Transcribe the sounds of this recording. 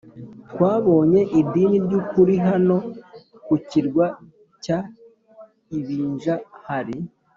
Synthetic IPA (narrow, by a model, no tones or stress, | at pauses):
tkwaːβo̞ːɲe̞ʔid̪iːniɾɟukuɾiɦano̞kuciɾɡwa | ca | iβiːɲʒahaɾi